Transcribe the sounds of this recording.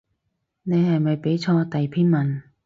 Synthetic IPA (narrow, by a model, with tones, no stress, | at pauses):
ne˨˧jhɐ˨jmɐ˨jpe˨˥jt͡sʰɔː˧t̪ɐ˨jpʰiː˥nmɐ˨˩n